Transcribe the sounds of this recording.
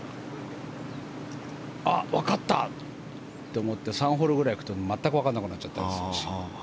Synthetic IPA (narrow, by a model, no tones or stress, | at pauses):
aβakat̪ːa̰ | t̪ːe̞omo̞t̪ːe̞sãɰ̃ɦo̞ɾɯɡɯ̟ɾaikɯ̟̥t̪onmat̪ːakɯβakanːakɯ̟nat͡ɕːat̪ːa̰d̪es